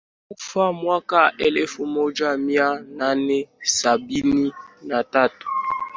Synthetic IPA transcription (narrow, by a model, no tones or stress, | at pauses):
ufamwakaʔɛlefumod͡ʒamjananɛsabininatato̥